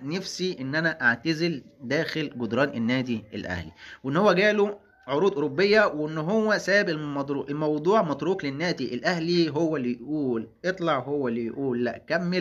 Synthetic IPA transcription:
næfsiʔenːʔænæʔaʕt̪azɪld̪æːxelɡʊd̪ɾˤɑːnʔenːæːd̪iʔḛlʔæ̰hlḭwʔenːhowːæɡæːlo | ʕoɾuːd̪ʔoɾobːejːæwʔenːɦowːæsæːbemɑd̪ˤɾuːʔelmɑwd̪ˤuːʕmɑt̪ˤɾuːklenːæːd̪iʔelʔæhliɦowːælːijʔʔuːlʔet̪ˤlɑʕhowːælːijʔuːlːæʔkæmːel

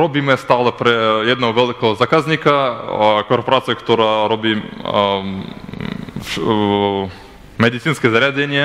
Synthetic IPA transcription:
ɾobimɛst̪alˠapɾɛjɛd̪naovɛlikozakaznikakoɾpoɾat̪skt̪oɾaɾobi | med̪it̪sinskɛzaɾʲad̪ʲenʲie

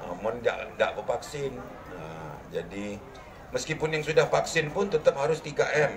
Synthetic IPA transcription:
ʔə̰mənda̰ʔnda̰ʔbəfaksɪn | əd͡ʒadi | məskipʊnjaŋsudahfaksɪnpʊnt̪ət̪əp̚haɾʊst̪iɡaʔɛm

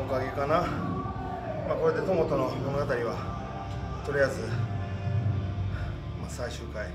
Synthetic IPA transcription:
okaɡʲikana | mako̞ɾe̞d̪e̞t̪omot̪o̞no̞mo̞no̞ɡat̪aɾʲiβa | t̪o̞ɾʲijazɨ | masaiɕɨːkai

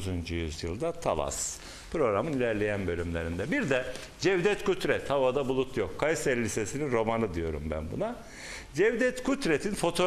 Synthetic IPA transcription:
zund͡ʒujyzjɯ̰lˠd̪at̪ʰa̰lˠa̰s | pɾo̞ɡɾamɯnilʲæɾlʲejænbø̞lʲymlʲeɾind̪ɛbiɾd̪ɛ | d͡ʒɛvd̪ɛt̪kʰut̪ɾɛt̪havad̪abulˠut̪ʰjo̞kʰːajsɛɾlʲisesininɾo̞manɯd̪ijo̞ɾṵmbæ̰nbṵna | d͡ʒɛvd̪ɛt̪kʰut̪ɾet̪ʰinfo̞t̪ʰo̞

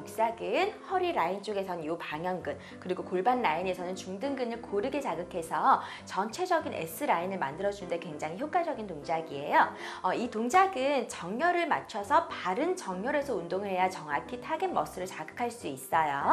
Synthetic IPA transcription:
ok̚s͈aɡɯnhʌɾiɾaint͡ɕ͈oɡe̞sʰʌnjupaŋjʌŋɡɯn | kɯɾiɡokoɭbanːaine̞sʰʌnɯnt͡ɕuŋdɯŋɡɯnɯɭkoɾɯɡet͡ɕaɡɯkʰe̞sʰʌ | t͡ɕʌnt͡ɕʰe̞d͡ʑʌɡinʔe̞̰sʰɯɾainɯɭma̰ndɯɾʌd͡ʑunɯnde̞kwe̞ŋd͡ʑaŋɦiçjok͈ad͡ʑʌɡintoŋd͡ʑaɡie̞̰joʌitoŋd͡ʑaɡɯnt͡ɕʌŋɲjʌɾɯɭmat͡ɕʰʌsʰʌpaɾɯnt͡ɕʌŋɲʌɾe̞sʰʌundoŋɯɭhe̞jat͡ɕʌŋɦakʰitʰaɡɯnmʌs͈ɯɾɯɭt͡ɕaɡɯkʰaɭs͈uis͈ʌjo

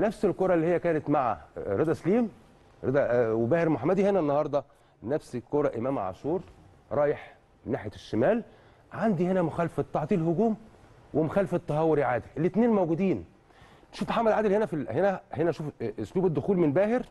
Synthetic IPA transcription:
næfselkoɾˤɑʔlːihjːækæːnet̪maʕa̰ɾed̪ˤæsliːm | ɾed̪æwebæːheɾmoħamːæd̪ihenænːɑhɑɾˤd̪ˤɑ | næfsikoɾˤɑʔemæːmʕa̰ʃuːɾ | ɾˤɑːjeħ | menːaːħjæʃːemæːl | ʕand̪ihenæmʊxæːlfet̪ːɑʕt̪ˤiːlhʊɡuːm | wemoxæːlft̪ˤːɑɦɑwːeɾiʕaːd̪iʔelːit̪neːnmæwɡuːd̪iːn | ʃuːfħamːæd̪ʕaːd̪elhenæfihenæhenæʃuːfsluːbed̪ːʊxuːlmenbæːheɾ

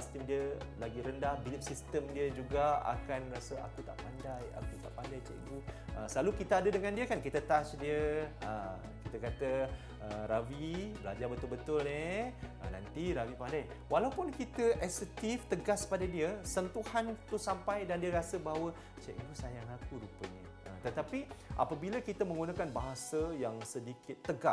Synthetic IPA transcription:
sist̪əmdiəlaɡiɾəndahbilɪp̚sist̪əmdiəd͡ʒuɡaa̰kanrasəa̰kut̪a̰ʔpandaja̰kut̪aʔpandajt͡ʃɛ̰ʔḭɡuəsəlalukit̪aadədəŋãndiəkankit̪ət̪asdiəə̰ | kit̪akat̪ə | əɾawibəla̰d͡ʒabət̪ʊlbət̪ʊlneə̰na̰nt̪iɾawipandaj | walaupʊnkit̪əʔɛsət̪ɪft̪əɡaspadadiəsənt̪uhant̪usampajdandiəɾasəbawə | t͡ʃɛʔiŋɡusajaŋlakuɾupəɲi | ʔət̪ət̪apiʔa̰pabiləkit̪əmə̃ŋɡunãkanbaɦasəjaŋsədikɪt̪ːəɡa

